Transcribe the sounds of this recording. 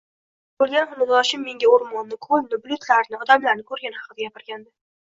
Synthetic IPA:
b̥olˠɡʲanχʊmʊzɒʃɪmːe̞ŋɡʲaoɾmɒnːɪkʰolnɪblʲʊt̪ʰlaɾnɪɒd̪amlaɾnɪkʰɵɾɡʲanhɑqɨd̪aɡʲapɪɾɡʲand̪ɪ

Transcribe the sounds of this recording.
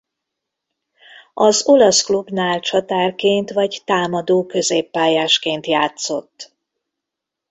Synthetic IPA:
ɒzo̞lɒsklubnaːlt͡ʃɒt̪aːrkeːnt̪ʋɒɟt̪aːmɒd̪oːkø̞zeːpːaːjaːʃkeːnt̪jaːt̪so̞t̪ː

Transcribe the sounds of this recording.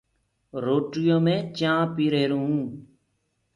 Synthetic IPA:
ɾoːʈɪjõːmẽːt͡ʃãːpiːɾeːɾuːũː

